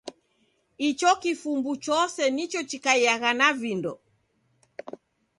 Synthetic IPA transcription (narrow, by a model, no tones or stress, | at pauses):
it͡ʃɔkifumbut͡ʃɔsɛnit͡ʃɔt͡ʃikaiaɣanavindɔ